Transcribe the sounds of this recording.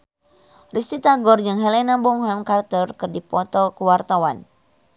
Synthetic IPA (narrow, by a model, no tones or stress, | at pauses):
rist̪it̪aɡɔrd͡ʒɨŋɦɛlɛnabɔŋɦamkart̪ərkɨrdipɔt̪ɔkəwart̪awan